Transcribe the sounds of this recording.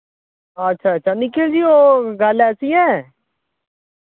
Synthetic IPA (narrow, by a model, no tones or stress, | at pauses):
ətːʃʰaːət͡ʃʰanikʰeld͡ʒiːoːɡəlɛːsiːɛː